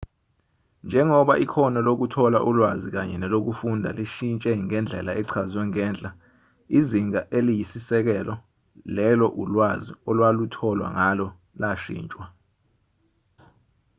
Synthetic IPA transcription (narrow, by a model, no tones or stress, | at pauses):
nd͡ʒʱɛŋɔɓaʔikʰɔnɔlok̬utʰɔlaʔulwazik̬aɲɛnɛlok̬ufundʱa̰liʃint͡ʃʼɛŋɛnd͡ɮʱɛ̰laʔɛǀʰazwɛŋɛːnd͡ɮʼa | iziŋaʔelijisisɛk̬ɛlɔ | lɛlɔʔulwaziɔlwalutʰɔlwa̰ŋalɔ | laʃḭːnt͡ʃʼwa